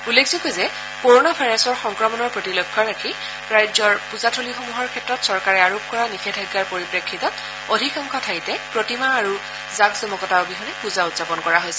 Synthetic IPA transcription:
ulːekʰzukozɛ | koɹonabʱajɹasɔɹxɔŋkɹɔmɔnɔɹpɹɔtilɔɡʱːɔɹakʰi | ɹajzɔɹpuzatʰolixomuɦɔɹkʰɛtɹɔtsɔɹkaɹɛaɹup̚kɔɹanixʰɛdʰʱɔjɡaɹpoɹipɹekʰːitɔt | odʱikaŋkʰɔtʰajtɛpɹotimaːɹu | zakzɔmɔkɔtaʊbiɦɔnɛpuzautz̥apɔnkɔɹaɦojsɛ̥

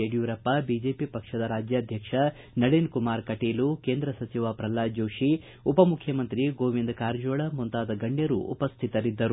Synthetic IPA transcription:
eɽijuɾɐpːɐbid͡ʒeːpipɐkʂɐd̪ɐɾaːd͡ʒjaːd̪ʱjɐkʂɐ | nɐɽeːnkumaːɾkɐʈeːlukeːnd̪ɾɐsɐt͡ʃiʋaːpɾɐlaːd͡ʒoːʃi | upɐmukʰjɐmɐnt̪ɾiɡoːʋind̪kaːɾd͡ʒoːɭɐmunt̪aːd̪ɐɡɐɳɖjɐɾṵṵpɐst̪ʰit̪ɐɾid̪ːɐɾu

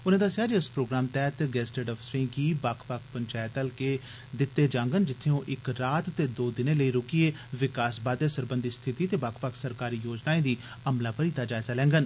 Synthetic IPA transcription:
ʊnẽːd̪əsjaːd͡ʒiɪspɾoːɡɾaːmt̪ɛːt̪ɡɛːsʈeːɖɔfʰsɾĩːkiːbaːkʰpakʰpəɲt͡ʃaːjət̪əlkeː | d̪ɪt̪ːeːd͡ʒãːŋɡənd͡ʒɪt̪ʰːeõːʔɪkɾaːt̪ːeːd̪oːd̪ɪnẽːləiːɾʊkieːʋɪkaːsbaːd̪eːsəɾbə̃nd̪ist̪ʰɪt̪iːt̪eːbaːkʰpaksəɾkaːɾiːjoːd͡ʒnaːẽːd̪iː | əmlaːpəɾiːt̪aːd͡ʒaːɪzaːlɛ̃ːŋɡən

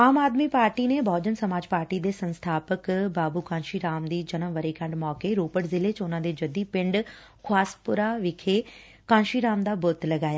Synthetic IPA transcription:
aːmaːd̪miːpaːɾʈiːneːbʱɔːd͡ʒənsəmaːd͡ʒpaːɾʈiːd̪eːsənst̪ʰaːpəkbaːbuːkãːnʃiːɾaːmd̪iːd͡ʒənəmʋəɾiːkə̃ɳɖmɔːkeːɾoːpəʈzɪleːt͡ʃʊnãːd̪eːd͡ʒəd̪iːpɪɳɖ | kʰʊaːspʊɾaːʋɪkʰeː | kãːnʃiːɾaːmd̪aːbʊt̪ləɡaːjaː

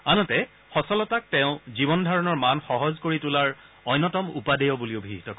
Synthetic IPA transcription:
anɔtɛ | xɔsɔlɔtak̚tɛʊ̃zibɔndʱaɹɔnɔɹmanxɔɦɔzkoɹitulaɹ | ɔjnːɔtɔmṵpadɛjɔbuliʊbʱiɦitɔkɔ

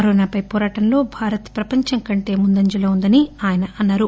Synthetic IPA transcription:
ɐɾoːnaːpɐjpɔːɾaːʈɐmlo̞ːbʱaːɾɐt̪pɾɐpɐɲt͡ʃɐŋkɐɳʈe̞ːmund̪ɐɲd͡ʒɐlɐːund̪ɐniaːjɐnɐʔɐnːaːɾu

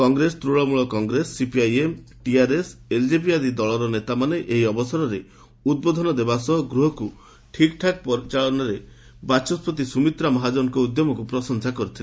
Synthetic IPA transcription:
kɔŋɡɾest̪ɾuɭɔmuɭɔkɔŋɡɾesːipiajem | ʈiaɾeseld͡ʒepiad̪id̪ɔɭɔɾɔnet̪amaneʔeɦiɔbɔsaɾɔɾe | ud̪̚bod̪ʱɔnɔd̪ebasɔɦɔɡɾuɦɔku | ʈʰikʈʰak̚pɔɾit͡ʃaɭɔnɔɾe | bat͡ʃɔspɔt̪̬isumit̪ɾamɔɦad͡ʒɔɾɔkɔud̪jɔmɔkupɾɔsɔŋsakɔɾut̪ʰile

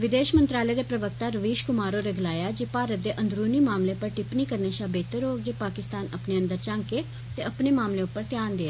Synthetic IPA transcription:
ʋɪd̪eːʃmənt̪ɾaːləeːd̪eːpɾəʋək̚t̪aːɾəʋiːʃkʊmaːɾoːɾeɡəlaːjaːd͡ʒeːpaːɾət̪̚d̪eːʔənd̪ɾuːniːmaːmleːpəɾʈɪpniːkəɾneːʃaːbeːt̪eɾoːk̚d͡ʒeːpaːkɪst̪aːnəpneːə̃nd̪əɾt͡ʃãːŋkeː | t̪eːəpneːmaːmleːʊpːəɾt̪ɪjaːnd̪ɪeː

